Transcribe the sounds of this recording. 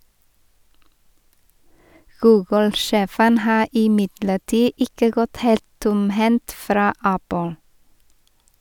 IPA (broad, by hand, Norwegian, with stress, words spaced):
ˈɡʉːɡl̩ ˈʃeːfən ˈhɑː ɪˈmɪdləˌʈiː ˈɪkə ˈɡɔt ˈheːlt ˈtʊmˌhɛnt ˈfɾɑː ˈæpl̩